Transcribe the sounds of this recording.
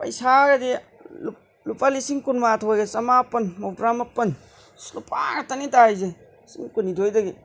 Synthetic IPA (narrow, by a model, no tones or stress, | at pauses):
pɐ̰jsaɾɐdi | lu | lupalisiŋkunmatʰojɡesɐmapːɐnmowdɾamɐpːɐn | slupʰa̰ɡatanitajze | siŋkunidʱojdɐɡe